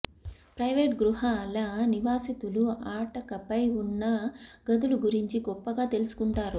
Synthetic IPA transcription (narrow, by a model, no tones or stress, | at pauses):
pɾɐjʋeːʈɡɾuɦɐːlaniʋaːsit̪uluaːʈɐkɐpɐjunːɐɡɐd̪uluɡuɾiɲt͡ʃiɡɔpːɐɡaːt̪e̞lusu̥kuɳʈaːɾu